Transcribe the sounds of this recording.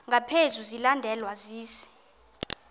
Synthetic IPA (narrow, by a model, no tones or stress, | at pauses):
ŋɡʱapʰezuzilandʱɛlwaziːsi̥